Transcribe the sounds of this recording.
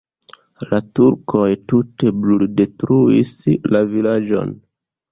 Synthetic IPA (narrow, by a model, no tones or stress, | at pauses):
latuɾkʰo̞jtute̞blulde̞tɾuislavilad͡ʒo̞̰n